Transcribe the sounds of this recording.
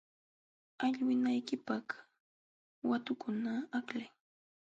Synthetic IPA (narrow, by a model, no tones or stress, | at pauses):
aʎwɪnajkɪpak | wat̪ʊkʊnaːklaj